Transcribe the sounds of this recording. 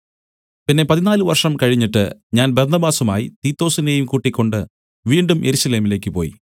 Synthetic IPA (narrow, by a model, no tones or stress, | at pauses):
pinːe̞pɐðinaːlɨʋɐrʂɐmkɐɻiɲːiʈːɨ̰ɲaːnbɐrnɐbaːsumaːjit̪iːt̪ːo̞ːsinejumkuːʈːikʲːo̞ɳɖɨ | ʋiːɳɖumjʔḛɾuɕɐle̞ːmile̞ːkʲːɨpo̞̰ːjḭ